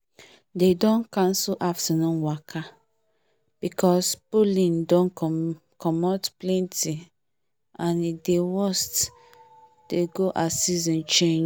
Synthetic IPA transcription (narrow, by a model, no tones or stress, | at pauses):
dedɔ̃nkãnsulʔafsɛnɔ̃nwakʰa | b̥ikʰɔspolĩndɔ̃nk | kɔmɔtplɛ̃nti | ãnidewɔst | d̥eɡoʔasizɔ̃nt͡ʃẽn